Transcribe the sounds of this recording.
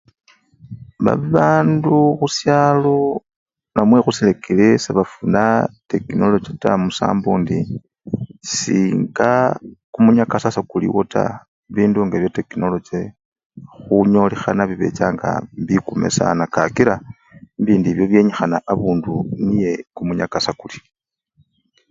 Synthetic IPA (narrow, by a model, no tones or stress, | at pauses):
βa̰βiβaːnduxusjaːlo̞ | namwe̞xusilekʰilesaβafunate̞kino̞lo̞d͡ʒetamusa̰ːmbuːndi | siːŋɡakumuɲakasasakulḭwo̞ta̰ | βiːnduŋɡeβjate̞kino̞lo̞d͡ʒe | xuɲo̞lexanaβiβe̞̰t͡ʃaːŋɡa̰mbikume̞̰sa̰nakakiɾa | mbiːndiβjo̞βje̞ɲixanaʔaβuːndunije̞kumuɲakasakuli̥